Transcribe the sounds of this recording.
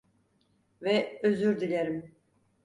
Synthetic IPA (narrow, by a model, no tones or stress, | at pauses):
vɛøzyɾd̪ilʲeɾim